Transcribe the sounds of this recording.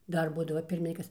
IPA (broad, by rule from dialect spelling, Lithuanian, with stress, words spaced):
ˈdɐr ˈbuːdɐʋɐ ˈpʲɪrʲmʲɪŋʲkʲiːkɐs